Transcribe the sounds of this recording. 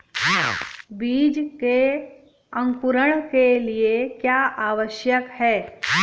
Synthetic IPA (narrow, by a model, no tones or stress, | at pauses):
biːd͡ʑke | əŋkuɾəɳkelijekjaʔaʋəɕjəkhɛː